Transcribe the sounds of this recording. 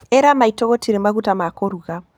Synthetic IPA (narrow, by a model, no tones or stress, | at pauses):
eɾamaitoɣotiɾemaɣutamakoɾuɣa